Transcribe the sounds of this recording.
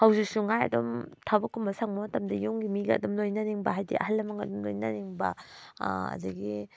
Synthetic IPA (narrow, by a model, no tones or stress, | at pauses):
hawzisuŋajɐ̰dɔmtʰabɐkʰːumbasaŋmamatamdɐjuŋɡimiɡa̰dɔmlojnaniŋbaɦajdḭʔa̰ɦalːamaŋɡadɔmlojnaniŋba̰ | ɐ̰dɐɡi